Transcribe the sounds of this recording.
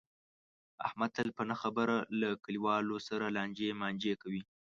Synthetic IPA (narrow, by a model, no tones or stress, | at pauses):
a̰hmat̪alpənaxabəɾalakəliwɑlosaɾalɑnd͡ʒemɑnd͡ʒekawi